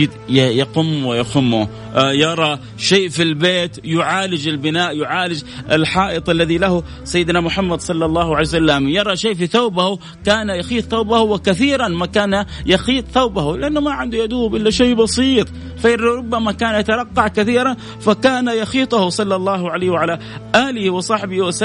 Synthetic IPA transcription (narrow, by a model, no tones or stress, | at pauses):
d̪jɑqʊmːwɪjaxʊmːʊ | jɑɾˤɑ | ʃeːʔfilbeːt̪jʊʕaːlɪd͡ʒɪlbɪnaːʔjʊʕaːlɪd͡ʒɪ̰lħɑːʔɨt̪ˤʔalːaðilahʊ | sajːɪd̪namʊħamːad̪sˤɑlːɑlˤːɑːhʕalːsalːamjɑɾˤɑʃeːʔfiθawbahu | kaːnajɑxiːt̪ˤθawbahuwɪkaθiːɾanmakaːna | jɑxiːt̪ˤθawbahulɪʔanːʊmaʕɪnd̪ujad̪uːbʔɪlːaʃejːbɑsˤiːt̪ˤ | faɾɾˤʊbːamakaːnjat̪ɑɾˤɑqːɑʕkaθiːɾan | fakaːnajɑxiːt̪ˤʊhʊsˤɑlːɑlˤːɑːhʕalaːhwʕala | ʔaːlɪhwɪsˤɑħbɪhwasa